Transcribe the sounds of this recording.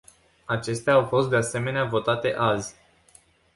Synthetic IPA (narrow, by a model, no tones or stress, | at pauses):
at͡ʃe̞st̪eaːawfo̞st̪̚d̪ease̞me̞neavo̞t̪at̪e̞ʔazʲ